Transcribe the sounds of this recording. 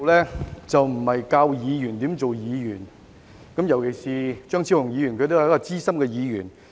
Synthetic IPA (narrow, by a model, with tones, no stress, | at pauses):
wlɛː˥t͡sɐ˨wm̩˨˩hɐ˨jkaː˧wjiː˨˧jyː˨˩nt̪iː˨˥mt͡so˨wjiː˨˧jyː˨˩n | kɐ˨˥mjɐ˨˩wkʰe˨˩jsiː˨t͡ʃœː˥ŋt͡sʰi˥hʊ˨˩ŋjiː˨˧jːnkʰɵ˧t̪o˥hkːɔː˧t͡siː˥sɐ˥mkɛː˧jiː˨˧jy̰ː˨˩n